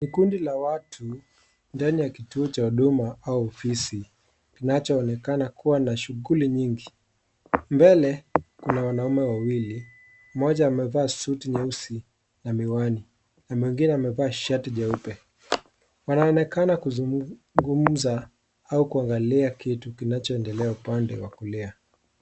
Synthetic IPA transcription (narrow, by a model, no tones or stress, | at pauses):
nikundilawatʰu | ndanijakituɔt͡ʃauɗumaauɔfisi | kinat͡ʃɔːnɛkanakʰuwanaʃuɣuliɲiŋɡi | mbɛlɛkunawanaumɛwawili | mmɔʄaːmɛvaːsutiɲausi | namiwani | namwiŋɡinɛamɛvaːʃatiʄaupɛ | wanaɔnɛkanakuzu | ŋɡum̩za | aukuaŋɡaliakitukinat͡ʃɔɛndɛlɛaupandɛ̰wakulɛa